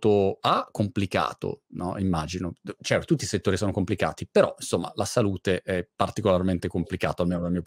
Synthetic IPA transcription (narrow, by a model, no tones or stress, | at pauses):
t̪oakːomplika̰ːt̪o̰nɔimːaːd͡ʒinot͡ʃɛt̪ot̪ut̪ːiset̪ːoːɾisoːnokomplika̰ːt̪ipeɾɔinsomːa̰lasaluːt̪eʔɛpːart̪ikolarment̪ekomplika̰ːt̪oalmeːnod̪almiːo